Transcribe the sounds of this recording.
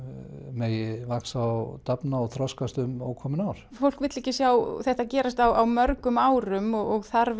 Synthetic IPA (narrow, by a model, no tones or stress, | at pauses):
mɛjɪvaksawt̪apnaɔθʰɾɔskast̪ʏmɔɣkʰɔːmɪnawɾ̥fowl̥kvɪt̪lɪhcɪsjawθɛht̪acɛːɾast̪awawmœɾkʏmaːwɾʏmɔɣɔɣθaɾ